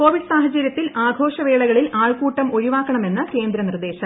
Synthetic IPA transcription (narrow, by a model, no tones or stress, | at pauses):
koːʋiɖɨsaːɦɐt͡ɕːɐɾjɐt̪ːilaːɡʱo̞ːɕɐʋeːɭɐɣɐɭilaːɭkuːʈːɐmo̞ɾiʋaːkːɐɳɐme̞nːɨke̞ːnd̪ɾɐnird̪e̞ːɕɐm